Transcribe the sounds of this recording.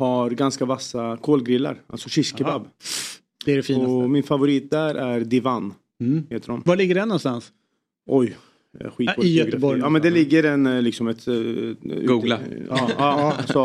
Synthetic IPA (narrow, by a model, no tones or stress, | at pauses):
haɾɡanskavasːakʰoːlɡɾɪlːa̰ɾa̰lsɔʂɪskəbab | d̥̪ɛɛɖɛfiːɔsmɪnfavʊɾiːt̪̚d̪æɾʔæɾd̪ɪvan | heːt̪əɾɔmvalɪɡːəɖɛnːɔnst̪ans | ʔɔj | ɧiːjœt̪bɔɾɑːmɛnd̪ɛlɪɡːəɾɛnlɪksɔmɛt̪ | ʉ̰ɡuːɡlaːɑːsɔ